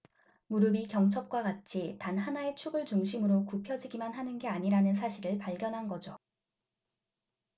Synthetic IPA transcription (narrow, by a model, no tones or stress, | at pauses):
muɾɯbikjʌŋt͡ɕʰʌp̚k͈wakat͡ɕʰitanɦanae̞t͡ɕʰuɡɯɭt͡ɕuŋɕʰimɯɾokupʰjʌd͡ʑiɡimanɦanɯnɡe̞aɲiɾanɯns̬ʰaɕʰiɾɯɭpaɭɡjʌnɦanɡʌd͡ʑo